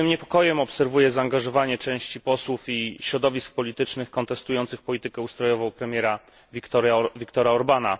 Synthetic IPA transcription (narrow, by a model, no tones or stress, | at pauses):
ɘmɲɛpɔkɔjɛmɔpsɛɾvujɛzaːŋɡaʐɔvaɲɛt͡ʂɛ̃w̃ɕt͡ɕipɔswufiɕɾɔd̪ɔvʲisk̚pɔlʲit̪ɘt͡ʂnɘxkɔnt̪ɛst̪ujɔnt̪sɘxpɔlʲit̪ɘkɛust̪ɾɔjɔvɔ̃w̃pɾɛmʲjɛɾa | vʲikt̪ɔɾjavʲikt̪ɔɾaɔɾbana